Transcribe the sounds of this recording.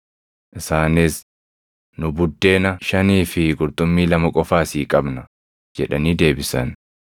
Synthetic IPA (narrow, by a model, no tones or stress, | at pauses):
ʔɪsaːnɪs | nʊbʊd̪ːe̞ːnɐʃɐniːfɪɡʊɾt̪ʼʊmːiːlɐmɐkʼɔfaːsiːkʼɐbnɐ | d͡ʒɛᶑɐniːd̪e̞ːbɪsɐ̰n